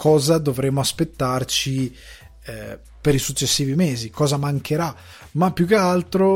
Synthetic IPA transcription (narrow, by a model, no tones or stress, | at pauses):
kʰɔːzad̪ovɾemːoaspet̪ːart͡ʃi | peɾisut͡ʃːesːiːvimeːzikɔːzamaŋkʰeɾa | mapːjukːealt̪ɾo